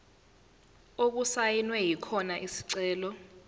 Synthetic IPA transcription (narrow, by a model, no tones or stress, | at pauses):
ok̬usajinwɛjikʰɔnaʔisi̥ǀɛːlɔ